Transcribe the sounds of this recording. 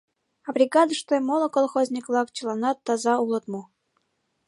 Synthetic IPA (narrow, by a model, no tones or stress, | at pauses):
ɑbɾʲiɡɑd̪əʃt̪ojmolˠɤ̆kolˠxozʲnʲikvlˠɑkt͡ɕəlˠɑnɑt̪ːɑzɑulˠɤ̆t̪mu